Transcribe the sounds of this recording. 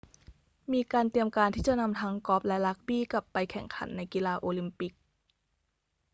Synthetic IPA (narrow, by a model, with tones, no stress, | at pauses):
miː˧kaː˧nt̪i˧əmkaː˧nt̪ʰiː˥˩t͡ɕa˨˩ʔna˧mt̪ʰa˦˥ŋkɔː˦˥p̚lɛ˦˥la˦˥k̚biː˥˩ka˨˩pːa˧jkʰɛ˨˩ŋkʰa̰˩˦nːa˧jki˧laː˧ʔoː˧li˧mpi˧˦k̚